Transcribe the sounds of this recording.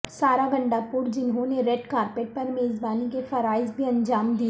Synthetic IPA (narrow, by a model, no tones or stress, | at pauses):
saːɾaɡɐ̃ɳɖapʊɾd͡ʒɪnɦõneɾeːʈkaːɾpeːʈ̚pɐɾmeːzbaːnikefɐɾaːɪzbʱiɐ̃ɲd͡ʒaːmd̪iː